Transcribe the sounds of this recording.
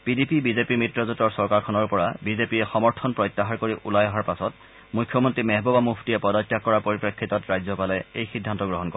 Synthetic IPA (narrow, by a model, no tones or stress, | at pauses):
pidipibizepimitɹɔzutɔɹsɔɹkaɹkʰɔnɔɹpɔɹabizepiɛxɔmɔɹtʰɔnpɹɔjtːaɦaɹkoɹiʔulajɔɦaɹpasɔt | mujkʰjɔmɔntɹimɛɦbɔbamupʰtiɛpɔdɔkːjakɔɹaɹpoɹipɹekʰːitɔtɹajzɔpalɛejxidʱːantɔɡɹɔɦɔnkɔ̰ɛ